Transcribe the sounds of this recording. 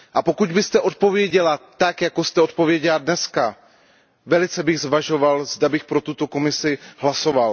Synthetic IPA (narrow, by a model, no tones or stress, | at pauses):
ʔapo̞kuɟ̪bɪst̪ɛʔo̞t̪̚po̞vjɛɟɛlat̪akjakost̪ɛo̞t̪̚po̞vjɛɟɛladnɛska | vɛlɪt͡sɛbɪɣzvaʒo̞valzdabɪxpɾot̪ut̪o̞ko̞mɪsɪɦlaso̞val